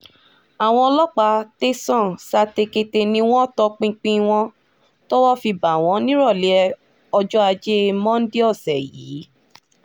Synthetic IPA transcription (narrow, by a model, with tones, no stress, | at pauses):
a˨w̃ɔ̃˧lɔ˦k͡pa˧˦te˦sɔ̃˦˨sa˦˧te˧ke˧te˧nĩ˧˦w̃ɔ̃˦tɔ˧˦k͡pĩ˧k͡pĩ˦w̃ɔ̃˦ | tɔ˦wɔ˦fi˧ba˨w̃ɔ̃˨˧˦nĩ˦ɾɔ˦˨li˨˦ɛ˧ | ɔ˧d͡ʒɔ˦a˧d͡ʒe˦˧mɔ̃˦n̩˦di˦ɔ˦˨sɛ˨jḭː˨˦